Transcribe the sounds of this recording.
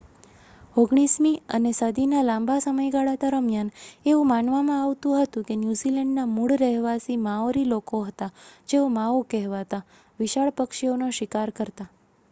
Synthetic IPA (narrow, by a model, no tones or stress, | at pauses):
oɡɳ̃ismiə̰nesəd̪inalãmbʱasəməjɡaɭad̪əɾəmjaneũmaɳʋamãaʋt̪ũɦət̪ũkenjuzilɛɳɖnamuɭɾɛɦʋasimãoɾilokoɦət̪ad͡ʒeomaokɛɦʋat̪a | ʋiʃaɭpəkʃionoʃɪkaɾkəɾt̪a